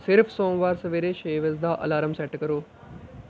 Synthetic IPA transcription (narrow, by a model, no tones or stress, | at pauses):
sɪɾfsõːŋʋaːɾsɐʋeːɾeʃeːʋezd̪aːʔɐ̰laːɾəmsɛʈkɐɾoː